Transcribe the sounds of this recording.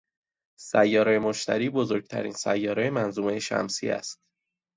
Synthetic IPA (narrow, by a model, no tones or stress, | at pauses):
sæjːɒːɾejemoʃt̪ʰæɾiːbozo̞ɾɟ̚t̪ʰæ̰ɾḭːnsæ̰jːɒːɾejemænzuːmejeʃæ̰msḭːæ̰st̪̚